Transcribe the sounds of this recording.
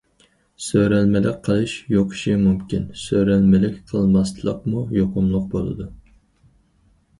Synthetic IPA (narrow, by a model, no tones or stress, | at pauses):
søɾælmɪlɪk̚ʲqʰəlˠɨʃjoqʰʊ̥ʃimumkʲinsøɾælmɪlɪkʲqʰəlˠmɑst̪lˠə̰qmujoqʊmlˠʊq̚bolˠɨ̰d̪u